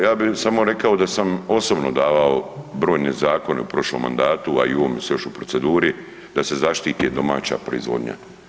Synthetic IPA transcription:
jaːbisamo̞ɾe̞kaod̪asamo̞sobno̞d̪aːʋaobɾo̞ːjnezaːko̞ne̞upɾo̞ʃlo̰mːa̰nd̪aːt̪ua̰ḭuʋoːmjsejo̞ʃupɾo̞tse̞d̪uːɾi | d̪ase̞zaʃt̪iːt̪id̪o̞ma̰ːt͡ɕa̰pɾo̞izʋo̞̰d̪ɲa̰

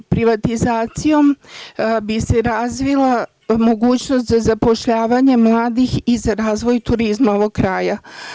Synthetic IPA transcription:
pɾiʋat̪izaːt̪sijo̞m | bise̞ɾaːzʋila | mo̞ɡuːt͡ɕnost̪zazapo̞ʃʎaːʋaɲe̞mlˠaːd̪ixizaɾaːzʋo̞jt̪uɾizmaoʋoɡ̚kɾaːja

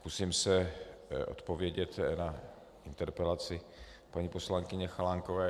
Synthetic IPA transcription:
kusiːmsɛʔo̰t̪povjɛɟɛt̪na | ɪnt̪ɛɾpɛlat͡sɪ | paɲipo̞slaŋkɪɲɛxalaŋkovɛː

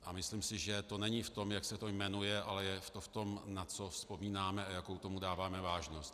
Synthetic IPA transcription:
ʔamɪslimsɪʒɛt̪o̞nɛɲɪft̪o̞mjaksɛt̪o̞jmɛnujɛʔalɛjɛft̪o̞ft̪o̞mnat͡so̞fspo̞miːnaːmɛajako̞wt̪o̞mudaːvaːmɛvaːʒno̞st̪

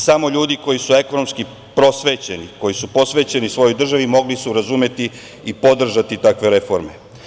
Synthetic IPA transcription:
samo̞ʎuːd̪iko̞jisue̞kono̞mski | pɾo̞sʋet͡ɕe̞niko̞jisupo̞sʋe̞t͡ɕe̞nisʋo̞jojd̪r̩ʒaʋimo̞ɡlisuɾazume̞t̪i | ipo̞d̪r̩ʒat̪it̪akʋe̞ɾe̞fo̞ɾme

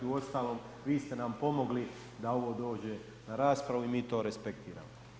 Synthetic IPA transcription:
iuo̞st̪aːlo̞ːm | ʋiːst̪e̞nampo̞mo̞ɡli | d̪ao̞ʋo̞ːd̪o̞ːd͡ʑe̞ | naɾaːspɾaʋuimiːt̪o̞ːɾespe̞k̚t̪iːɾa̰ːmo

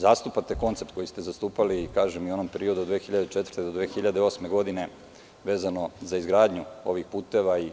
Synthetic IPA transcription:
zaːst̪upat̪eko̞nt̪se̞pt̪ko̞jist̪ezast̪uːpalikaːʒemiuo̞no̞mpeɾio̞d̪ud̪ʋeːxiʎad̪et͡ʃet̪vərɾt̪ed̪od̪ʋeːxiʎad̪eosme̞ɡo̞d̪ine̞ | ʋe̞ːzano̞zaizɡɾaːd̪ɲuo̞ʋixpuːt̪e̞ʋai

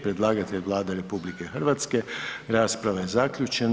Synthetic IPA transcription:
pɾed̪laːɡat̪eʎʋlˠaːd̪aɾepublikexrɾʋat̪skeɾaːspɾaʋajezakʎʲut͡ʃen

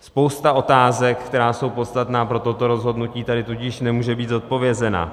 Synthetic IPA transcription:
spo̞wst̪aʔo̞t̪aːzɛkkt̪ɛɾaːso̞wpot̪st̪at̪naːpɾo̞t̪o̞t̪o̞ɾo̞zɦo̞dnuciːt̪adɪt̪ucɪʃnɛmuːʒɛbiːd̪zot̪̚po̞vjɛzɛna̰

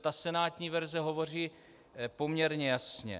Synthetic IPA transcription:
t̪asɛnaːt̪ɲiːvɛɾzɛɦo̞vo̞r̝iː | po̞mɲɛɾɲɛjasɲɛ̰

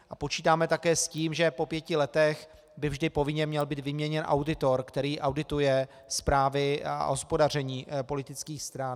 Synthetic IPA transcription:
ʔapo̞t͡ʃiːt̪aːmɛt̪akɛːsciːmʒɛpopjɛcɪlɛt̪ɛx | bɪvʒdɪpovɪɲɛmɲɛlbiːt̪vɪmɲɛɲɛnʔa̰wdɪt̪o̞ɾkt̪ɛɾiːʔawdɪt̪ujɛ | spɾaːvɪa̰ɦo̞spo̞dar̝ɛɲiːpo̞lɪt̪ɪt͡skiːxst̪ɾan

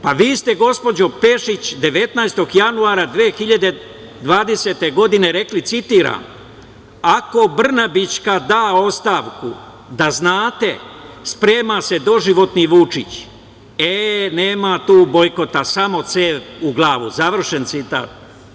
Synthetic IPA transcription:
paʋiːst̪e̞ɡo̞spo̞d͡ʑo̞pe̞ʃit͡ɕd̪e̞ʋe̞t̪najst̪o̞ɡjanuaːɾad̪ʋeːxiʎad̪e̞ | d̪ʋaːd̪e̞se̞t̪e̞ɡo̞d̪ine̞ɾe̞klit̪sit̪iːɾa̰m | ako̞br̩nabit͡ʃkad̪aːo̞st̪aːʋkṵ | d̪aznaːt̪e̞spɾe̞ːmase̞d̪o̞ʒiʋo̞t̪niʋut͡ʃit͡ɕ | ene̞ːmat̪uːbo̞jko̞t̪asamo̞t̪seːʋuɡlˠaːʋuzaʋr̩ʃe̞nt̪sit̪a̰ːt̪̚

